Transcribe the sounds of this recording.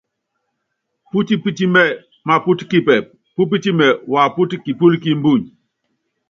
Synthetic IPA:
pu˦ti˦pi˦ti˦mɛ˦˨ | ma˨pu˦ti̥˦ki˦pɛ˨p̚ | pu˦p̬i˦ti˦mɛ˨wa˨pu˦ti˦ki˨pu˦lki˦m̩˦bu˦˨ɲ

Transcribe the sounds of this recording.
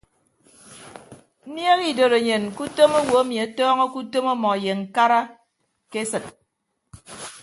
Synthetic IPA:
m̩˦nje˦ɣi˦˨do˨ɾe˨ɲe˨nku˦to˦mo˦wo˨a˦mi˨a˨˦tɔː˦ŋɔ˦ku˦to˦mo˦mɔ˨je˨ŋ̩˨ka˦ɾa˦ | ke˦sɨ˨t̚

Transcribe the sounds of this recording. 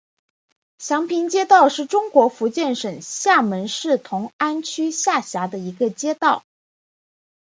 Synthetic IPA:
ɕjɑ˧˥ŋpʰi˧˥nt͡ɕjɛ˥t̪ɑ˥˧ʊʂɻ̩˥˩ʈ͡ʂʊ˥ŋkwɔ˧˥fu˧˥t͡ɕjɛ˥˩nʂə˨˩ŋɕja˥˩mə˧˥nʂɻ̩˥˩t̪ʰʊ˧˥ŋa˥nt͡ɕʰy˥ɕja˥˩ɕja˧˥d̪ə˧i˧˥ɡə˧t͡ɕjɛ˥t̪ɑ˥˩ʊ

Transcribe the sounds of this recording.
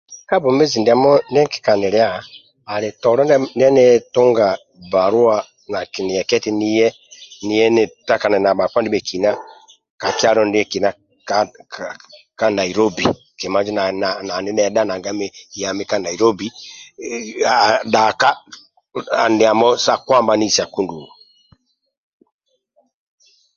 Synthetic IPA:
ka˦bo˨me˦zi˨ndi˨a˨mɔ˦ndɛ˦ki̥˨ka˨ne˨ɾe˦a˦˨ | a˨ɾe˨tɔ˨ɾɔ˦nni˦ɛ˦nɛ˦to˦ŋɡa˨ | ba˨ɾwa˦ | na˨ki˨ni˨ɛ˨kɛ˦ti˦ni˦jɛ˦ | ni˦jɛ˦ne˨ta˦ka˨nɛ˨na˨ba˨ka˦ndi˦mɛ˨ki˨na˦ | ka˨ki˦a˦ɾɔ˦ndɛ˦ki˨na˦ | ka | ka˦na˨i˨ɾɔ˦bi˨ | ke˨ma˦d͡ʒi˦na˨na˨na˨ne˦nɛ˨da˦na˨ŋɡa˦me˦ja˨me˦ka˦na˨i˨ɾɔ˦bi˨˦ | da˨ka˦ | a˨nde˨a˨mɔ˦sa˦kwa˦mba˨ni˦˨sa˨ku˦ndu˨

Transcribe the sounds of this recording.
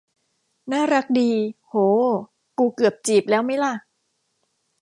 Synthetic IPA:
naː˥˩ɾa˦˥k̚diː˧hoː˨˩ | kuː˧kɯ˨˩əp̚t͡ɕiː˨˩p̚lɛː˦˥wma˦˥jla˥˩

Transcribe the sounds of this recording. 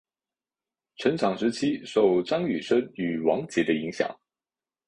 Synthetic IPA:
ʈ͡ʂʰɤ˧˥nʈ͡ʂʰɑ˨˩ŋʂɻ̩˧˥t͡ɕʰi˥ʂo˥˩ʊʈ͡ʂɑ˥ŋy˨˩ʂə˥ny˨˩wɑ˧˥ŋt͡ɕjɛ˧˥d̪ə˧i˧˥ŋɕjɑ̰˨˩˦ŋ

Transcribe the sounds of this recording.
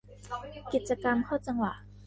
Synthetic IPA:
ki˨˩t̪̚t͡ɕa˧ka˧mkʰa˥˩t͡ɕa˧ŋwa˨˩ʔ

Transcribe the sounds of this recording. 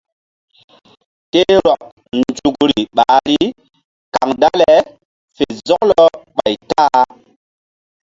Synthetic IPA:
te˦ɾɔ˨k̚ | nd͡ʒu˨kɾi˨ɓaː˨˦ɾi˦ | ka˨ŋda˦le˨ | fe˨zɔ˦klɔ˦ɓa˨jtaː˦

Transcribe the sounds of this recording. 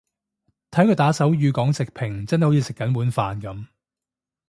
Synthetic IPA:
t̪ʰɐ˨˥jkʰɵ˧t̪aː˨˥sɐ˨˥wjyː˨˧kɔː˨˥ŋsɪ˨k̚pʰɪ˨˩ŋt͡sɐ˥nɦjho˨˦˥jiː˧sɪ˨kːɐ˨˥nwuː˨˥nfaː˨˧nkɐ˨˥m

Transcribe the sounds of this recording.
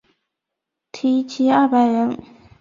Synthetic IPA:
t̪ʰi˥˩t͡ɕʰi˥a˥˩pa˨˧˥ɪɻə˧˥n

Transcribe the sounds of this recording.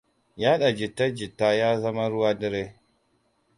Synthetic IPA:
jaː˦ɗa˨d͡ʒɪ˨tːɐ˦d͡ʒɪ˨tːaː˦jaː˦zɐ˦ma˦ɽʊ˦waː˦dɪ˦ɾe˦

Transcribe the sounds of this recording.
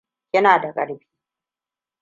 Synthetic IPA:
kʲɪ˦naː˨da˨kʼɐ̰˨ɽbiː˦

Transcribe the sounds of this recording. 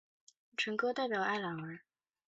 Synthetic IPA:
ʈ͡ʂʰə˧˥ŋkɤ˥t̪a˥˩ɪpjɑ˨˩ʊʔa˥˩ɪlɑ˨˩ŋə˧˥

